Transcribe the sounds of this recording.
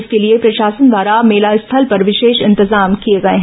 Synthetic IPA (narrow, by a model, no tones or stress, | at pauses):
skeliepɾɐʃaːsənd̪ʋaːɾameːlaɪst̪ʰɐlpɐɾʋɪʃeːʃɪ̃nt̪ɪzaːmkieɡɐeɦɛ̃